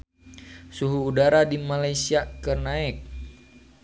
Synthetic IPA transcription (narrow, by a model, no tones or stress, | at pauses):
suɦuːdaɾadimalajsiakərnaɪk̚